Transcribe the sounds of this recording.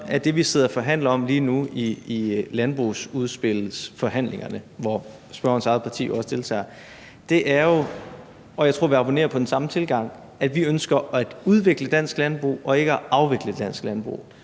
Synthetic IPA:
æd̥e̝ʋiseð̞̰ˠɒfɒ̽ɦæn̰lɐɒ̽mliːnuiilænb̥ʁusuð̞ˠsb̥e̝lsfɒ̽ɦæn̰leŋɐnəʋɒ | sb̥ɶɐ̰ɐn̩sɑ̈ɪð̩ˠpʰɑ̈t͡sʰḭːjoɒ̽sə̥d̥e̝lt͡sʰɛ̰ːɐ | d̥e̝ʔæɐjo̝ | ʔɒ̽jɑt͡sʰo̝ɐ̰ʋiɑ̈b̥one̝̰ːɐpʰɒ̽d̥en̩sɑ̈mət͡sʰe̝lɡ̥ɑ̈ŋ̰ | æd̥ʋiønsɡ̥ɐæ̥uð̞ˠʋe̝ɡ̥ləd̥æn̰sɡ̥lænb̥ʁṵːʔɒ̽e̝ɡ̥əæʔɑ̈ʊʋe̝ɡ̥ləed̥d̥æn̰sɡ̥lænb̥ʁṵ

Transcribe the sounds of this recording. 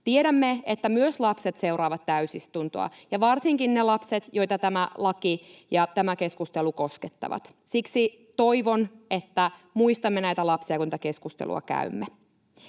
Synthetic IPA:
t̪ieɾæmːeet̪ːæmyøslɑpset̪seuɾɑːʋɑt̪t̪æysist̪unt̪o̰ɑ̰jɑʋɑrsiŋkinnelɑpset̪jo̞jt̪ɑt̪æmælɑkijɑt̪æmæke̞skust̪elukosket̪ːɑ̰ʋɑ̰t̪ | siksi | t̪oiʋonet̪ːæmuist̪ɑmːenæit̪ælɑpsiɑkunit̪ækeskust̪ḛlṵɑ̰kæ̰y̰mːe

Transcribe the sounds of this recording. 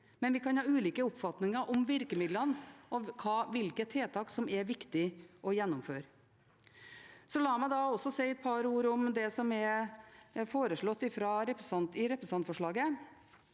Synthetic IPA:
mɛnʋɪkʰɑnhɑːʉːliːkəʊpfɑt̪nɪŋəɾʔɔmʋɪɾkəmɪd̪lənʔɔkʰɑːʋɪlkət̪ʰeːt̪ʰɑːksɔmɛɾʋɪkt̪ɪʔɔjɛnːʊmføːɾ | sɔlɑːmæɪd̪ɑɔsɔsɛɪɛt̪̚pʰɑɾuːɾɔmd̪ɛsɔmɛɾ | foːɾəʂɭɔt̪ːɪfɾɑɾɛpɾəsɑnt̪ɪɾɛpɾəsɑnt̪fɔʂɭɑːɡə

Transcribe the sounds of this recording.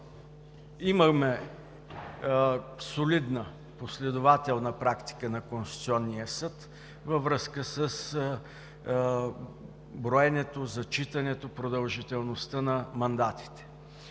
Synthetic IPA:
iməxmɛ | solid̪nə | poslɛd̪ovat̪ɛlˠnəpɾakt̪i̥kənɐkonst̪i̥t̪siɔnːijəsɤt̪ | vəvɾəskəsəs | bɾoɛnɛt̪ozɐt͡ʃit̪ɐnɛt̪opɾod̪ɐlˠʒit̪ɛlˠnost̪ənɐmɐnd̪at̪i̥t̪ɛ̥

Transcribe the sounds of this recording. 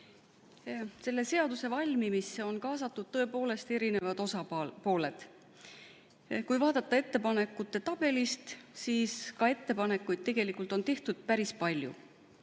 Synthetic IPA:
se̞lːe̞se̞ɑd̪use̞vɑlʲmimiseo̞nkɑːsɑt̪ːˑud̪̥̚t̪ɤ̞e̞po̞ːle̞st̪e̞ɾine̞vɑd̪o̞sɑpo̞ːle̞d̪̥ | kujvɑːd̪̥ɑt̪ˑːɑe̞t̪ːe̞pɑne̞kːˑut̪ːˑe̞t̪ɑb̥e̞list̪siːskɑe̞t̪ːe̞pɑnekːˑujd̪̚t̪e̞ɡ̥e̞likːˑult̪o̞nt̪e̞ht̪ud̪̥̚pæɾispɑlʲjṵ

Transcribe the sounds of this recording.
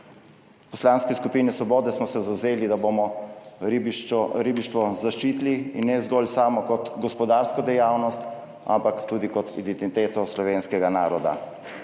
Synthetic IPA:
pɔslanskɛskupiːnɛsʋɔbɔːd̪ɛsmɔsɛzawzeːlid̪abomɔ | bɾibiʃt̪ʋɔzaʃt͡ʃiːt̪liinːɛzɡɔlsaːmɔkɔt̪ɡɔspɔd̪aːɾskɔd̪ɛjaːwnɔst̪ | a̰mpakt̪uːd̪ikɔt̪ḭd̪ɛnt̪it̪eːt̪ɔslɔʋeːnskɛɡanaːɾɔd̪a̰

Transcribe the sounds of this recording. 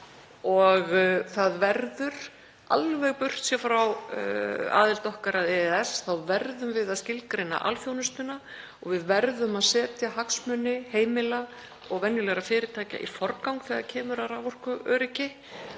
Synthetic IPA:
ɔɣθaðvɛɾðʏɾ̥ | a̰lvɛɣpʏr̥t̪sjɛfɾaw | a̰ːðɪlt̪ɔhkaɾaðɛðɛsθawvɛɾðʏmvɪðaðscɪlkɾejnːa̰ʔa̰lfjownʏst̪ʏna | ɔɣvɪðvɛɾðʏmaðsɛːt̪jahaksmʏnːɪheːjmɪla | ɔɣvɛnjʏlɛɣɾafɪːɾɪt̪ʰaːca̰ʔḭfɔɾrkawŋkθɛɣaðcʰɛːmʏɾaɾavɔr̥kʏʔœːɾɪcɪ

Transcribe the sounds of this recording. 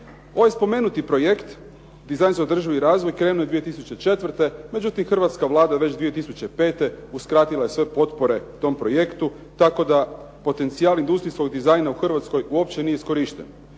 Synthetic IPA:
o̞ʋajspo̞me̞ːnut̪ipɾo̞je̞kt̪ | d̪izajnseo̞d̪r̩ʒiʋiɾaːzʋo̞jkɾe̞nuje̞d̪ʋije̞t̪isut͡ɕe̞t͡ʃe̞t̪ʋr̩t̪e̞me̞d͡ʑut̪imxr̩ʋat̪skaʋlˠaːd̪aʋe̞t͡ɕd̪ʋije̞t̪isut͡ɕe̞pe̞ːt̪e̞uskɾaːt̪ilˠaje̞sʋe̞po̞t̪po̞ɾe̞t̪o̞mpɾo̞je̞kt̪u | t̪ako̞d̪a | po̞t̪e̞nt̪siaːlind̪ust̪ɾisko̞ɡd̪izajnauxr̩ʋat̪sko̞juo̞pt͡ɕe̞nijeisko̞ɾiʃt̪ḛn

